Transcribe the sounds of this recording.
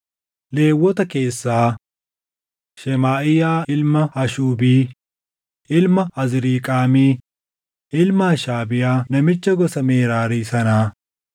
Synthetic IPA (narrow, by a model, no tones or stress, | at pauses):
le̞ːwːɔt̪ɐke̞ːsːaː | ʃɛmaːʔɪjaːɪlmɐhɐʃuːbiː | ʔɪlmɐɐzɪɾiːkʼaːmiː | ʔɪlmaːʃaːbɪjaːnɐmɪt͡ʃːɐɡɔsɐmeːɾaːɾiːsɐnaː